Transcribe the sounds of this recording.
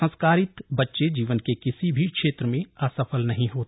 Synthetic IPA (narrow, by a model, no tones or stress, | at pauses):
ə̃nskaːɾɪt̪bɐtːʃed͡ʒiːʋənkekɪsibʱikʃeːt̪ɾəmẽaːsəfəlnɐɦĩɦoːt̪